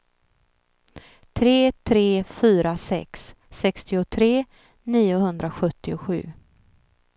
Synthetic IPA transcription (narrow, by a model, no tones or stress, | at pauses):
t̪ʰɾeːt̪ʰɾeːfyːɾasɛ̰ksː | ɛkst̪ɪʊt̪ʰɾeː | niːʊhɵnd̪ɾaɧɵt̪ːɪʊɧʉ̟̰ː